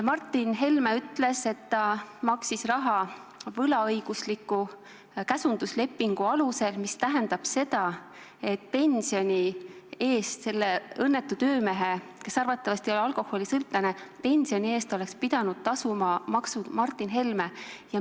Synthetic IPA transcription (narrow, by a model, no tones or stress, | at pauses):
mɑrt̪ːˑinɦe̞lmeyt̪ˑle̞se̞t̪ːɑmɑksisrɑɦɑvɤlɑɤjɡ̥uslikːˑu | kæsund̪̥usle̞pːiŋɡ̥uɑluse̞lmist̪æɦe̞nd̪̥ɑb̥se̞d̪̥ɑ | e̞t̪̚pe̞nʲsio̞nʲie̞ːst̪se̞lːeɤnːe̞t̪ːˑut̪ø̞ːme̞ɦe̞ke̞sɑrvɑt̪ˑːɑvɑst̪io̞leɑlko̞hːo̞lisɤlt̪ːˑenepe̞nsio̞nʲie̞ːst̪o̞le̞kspid̪̥ɑnud̪̥̚t̪ɑsumɑmɑksud̪mɑrt̪ːˑinɦe̞lmejɑ